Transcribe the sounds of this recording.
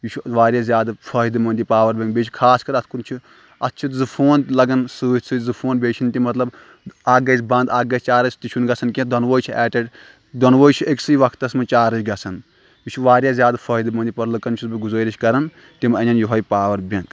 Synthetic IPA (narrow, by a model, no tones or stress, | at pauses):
jut͡ʃʰuʋaːɾʲjaːzʲjaːd̪fʰɐːɦid̪ɨmɐ̃nd̪ipaːʋɐɾbʲɐ̃ŋk̚beːt͡ʃʰi̥kʰaːskɐɾɐt̪ʰkunt͡ʃʰi | ɐt̪ːt͡ʃʰit̪zɨfʰoːnt̪lɐɡɐnsuːt̪sɨzɨpʰoːnbeːt͡ʃʰint̪imɐt̪lɐb | aːɡɐsʰʲbɐ̃nd̪aːɡɐsʲt͡ʃaːɾɐsʲʰt̪it͡ʃʰunɡɐt͡sʰɐnkʲẽd̪ʱɐnʋoːjt͡ʃʰiɛːʈɐʈ | d̪ʱɐnʋoːt͡ʃʰieksɐjiʋɐkʰt̪ːɐsmɐt͡ʃaːɾɐt͡ʃɡɐt͡sʰɐn | jut͡ʃʰuʋaːɾʲjaːzʲjaːd̪pʰɐːid̪mɐnd̪ipɐɾlɐkɐnt͡ʃʰusbiɡuzəːɾit͡ʃʰʲkɐɾɐn | t̪imɐnʲɐnjuɦɐjpaːʋɐɾbʲɐ̃ŋɡ